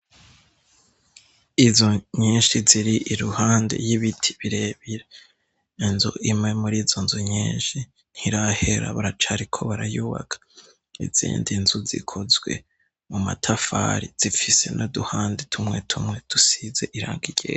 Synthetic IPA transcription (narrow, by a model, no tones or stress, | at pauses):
izoɲiːnʃiziɾiʔiɾuhaːnde̞̰jiβitʰi̥βiɾe̞βiɾe | inzuʔimŋe̞muɾiːzonzuɲiːnʃi | n̥hiɾahe̞ɾa̰βaɾat͡ʃaɾikʰo̞βaɾajuβa̰kʰḁ | ḭz̥ḭːndinzuzḭkʰozwe̞̰ | muma̰tʰafa̰ɾiz̥ifise̞̰nʔoduhaːndetʰumŋe̞tʰumŋe̞tusize̞ʔiɾa̰ːŋɡiɟ̥ḛː